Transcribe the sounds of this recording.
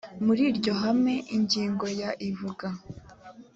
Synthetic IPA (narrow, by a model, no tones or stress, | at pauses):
muɾiɾɟo̞ɦamŋe̞ʔiɲɟiːŋɡo̞jaʔivuɡa